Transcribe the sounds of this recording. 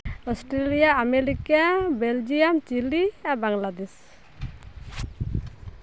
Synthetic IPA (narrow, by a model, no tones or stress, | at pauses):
ɔsʈɾelijaːmeɾikabeld͡ʒijamt͡ʃiliabaŋlad̪ɛs